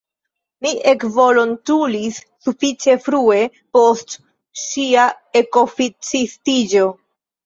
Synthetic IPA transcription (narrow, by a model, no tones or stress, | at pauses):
miʔe̞kvo̞lontulisːufit͡ʃe̞fɾue̞ | post | ʃia | e̞ko̞fit͡sistid͡ʒo̞